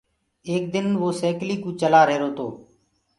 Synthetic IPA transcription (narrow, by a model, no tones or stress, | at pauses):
eːk̚d̪ɪnʋoːseːkliːkũːt͡ʃəlaːɾəɦeːɾoːt̪ʰoː